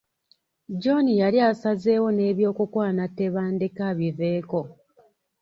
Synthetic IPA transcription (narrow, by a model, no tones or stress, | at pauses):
d͡ʒo̞nijaliasaze̞ːwo̞ne̞ːβjo̞ːkukwaːnatːe̞βaːndekaβive̞ːko̞